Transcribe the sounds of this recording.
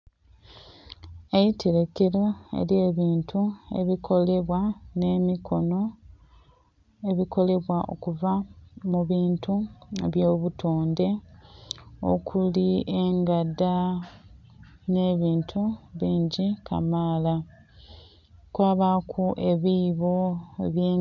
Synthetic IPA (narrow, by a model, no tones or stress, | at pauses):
ejitiɾe̞keɾo̞e̞̰ɾje̞ːβiːntʰue̞̰βikʰo̞le̞βwane̞mikʰo̞no̞ | e̞βiko̞le̞βwaʔo̞̰kuvamuβiːntuḛβjo̞ːβutʰoːnde̞ | o̞̰kʰuliʔeŋɡada | ne̞ːβiːntʰuβiːɲɟikʰa̰maːla | kwaːβakʰuʔe̞βiːβo̞ḛβjeː